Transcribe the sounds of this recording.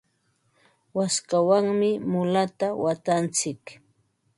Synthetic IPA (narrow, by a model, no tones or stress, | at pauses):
waskawaŋmɪmʊlat̪awat̪ant͡sɪk